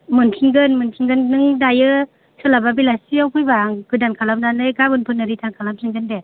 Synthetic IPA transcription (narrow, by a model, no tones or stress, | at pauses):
mɯntʰiŋɡɯnmɯntʰiŋɡɯnːɯŋdajɯ | sɯlababilasiawkʰɯjbaŋkɯdankʰalamdanɯjɡabɯnpʰɯnɯɾitʰankʰalamtʰiŋɡɯnde